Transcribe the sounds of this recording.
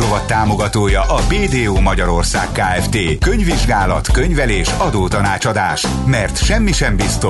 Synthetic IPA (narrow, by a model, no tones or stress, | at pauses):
ovɒt̪ːaːmo̞ɡɒt̪oːjɒʔɒbeːd̪eːoːmɒɟɒɾo̞rsa̰ːkkaːɛft̪eːkø̞ɲviʒɡaːlɒ̰t̪kø̞ɲvɛleːʃɒd̪oːt̪ɒnaːt͡ʃɒd̪aːʃ | mɛrt̪ʃɛmːiʃɛmbist̪o